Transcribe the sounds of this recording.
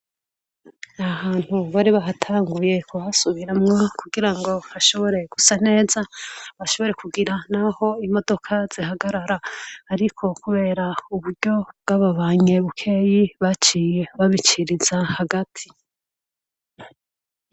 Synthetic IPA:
ahaːn̥huβaɾiβaɦatʰaːŋɡuje̞koasuβiɾamŋakuɡiɾaŋɡo̞haʃo̞βo̞ɾe̞ɡ̥usane̞ːzaβaʃo̞βo̞ɾe̞kuɡiɾanaho̞imo̞do̞kʰaz̥ihaɡaɾaɾaːɾikʰo̞kuβe̞ːɾauβuɾɟo̞bɡaβaβaːɲe̞βukʰe̞jiβat͡ʃijeβaβit͡ʃiɾizahaɡatʰi

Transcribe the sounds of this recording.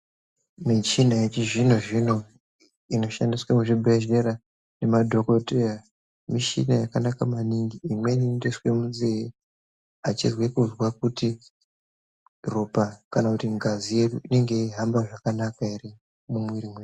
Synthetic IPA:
mit͡ʃinajet͡ʃiʐinoʐino̞ | ino̞ʃandiswamuʐibʱeʒe̞ɾa | ne̞madʱo̞ko̞tera | miʃḭnajakanakamaniŋɡiːmwenindiswemuzee | at͡ʃizwekuzwak̚uti | ropakanakutiŋɡazijeduine̞ŋɡe̞iɦambaʐakanakairi | mumwiɾimwe

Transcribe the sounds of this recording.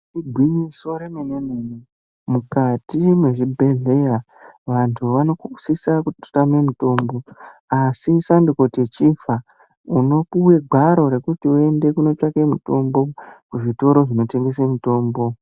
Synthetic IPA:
iɡʱwiɲiso̞ɾemenenene | mukatimweʐibʱe̞ɮe̞ja | ʋantʰuʋano̞kuu̥sisakuto̥tame̞muto̞ːmbo̞asisanduko̞tet͡ʃifa | uno̞puwe̞ɡʱwaɾo̞ɾe̞kutiue̞nde̞kuno̞t͡ʃake̞muto̞mbo̞kuʐito̞ɾo̞ʐino̞te̞ŋɡe̞s̬emito̞ːmbo̞

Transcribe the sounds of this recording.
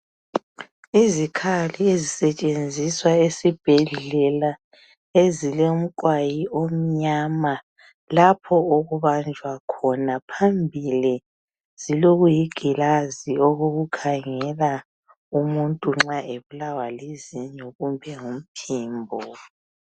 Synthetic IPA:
izikʰaliezisɛt͡ʃʼend͡zʱiswaesib̥ʱɛɮɛla | ezileum̩ǃʼwajiʔom̩ɲama | lapʰɔoɣuβand͡ʒʱwakʰɔnapʰambʱili | z̥iloɣujiɡ̥ʱilazioɣoɣukʰaŋɛla | umuntʼuŋ͡ǁaʔeβulawaleziɲoɣumbʱɛŋum̩pʰiːmbʱɔ

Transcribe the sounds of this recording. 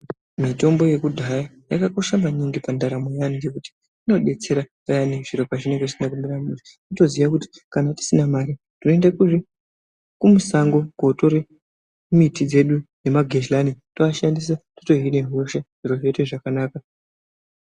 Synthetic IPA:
mito̞mbo̞je̞kudʱaja | jakako̞ʃamaɲiŋɡipandaɾamujanid͡ʒekuti̥ | ino̞ɗe̞t͡se̞ɾapajaneʐiɾo̞paʐine̞ŋɡeʐisinakumiɾamuri | ito̞ziʋakuti̥kanati̥sinamaɾi | tinoendakuʐi | kumusaŋɡo̞ɡʱo̞to̞ɾe | mitid͡ze̞ɗune̞maɡʱeʃlanitoaʃandis̬ato̥to̞ɦineɦo̞ʃaʐ̥iɾo̞ɦeteʐakanaːka

